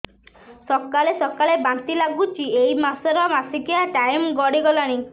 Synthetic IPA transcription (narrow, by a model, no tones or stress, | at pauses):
sɔkalesɔkalebant̪ilaɡut͡ʃʰiejmasɔɾɔmasikiaʈajmɡɔɽiɡɔlaɽ̃i